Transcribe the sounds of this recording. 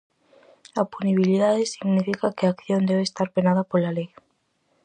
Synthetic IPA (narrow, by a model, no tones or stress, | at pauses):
apuniβ̞iliðaðesiɣnifikakeaːkθjond̪eβ̞eːst̪aɾpenaðapolalej